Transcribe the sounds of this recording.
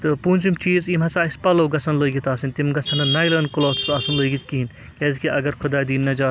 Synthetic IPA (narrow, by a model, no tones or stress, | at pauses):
t̪ɨpuːnʲt͡ʃumt͡ʃiːzimɐsaːispaːloːɡɐsʰɐnloiɡit̪aːsinʲt̪imɡɐt͡sʰɐnɐnɐjlɐːnkuloːt̪ʰsaːsɐnloiɡit̪kiɦin | kʲeːzikiʔɐɡɐɾkʰud̪aːd̪iːnːɐd͡ʒaː